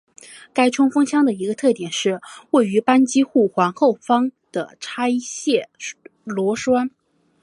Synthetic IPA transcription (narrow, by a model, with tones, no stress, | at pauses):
ka˥ɪʈ͡ʂʰʊ˥ŋfɤ˥ŋɕʰjɑ˥ŋd̪ə˨i˧˥ɡə˧t̪ʰɤ˥˩t̪jɛ˨˩nʂɻ̩˥˧we˥˩ɪy˧˥pa˥nt͡ɕi˥xu˥˩xwa˧˥nxo˥˩ʊfɑ˥ŋd̪̥ə̰˨˩ʈ͡ʂʰa˥ɪɕjɛ˥˩lwɔ˧˥ʂwa˥n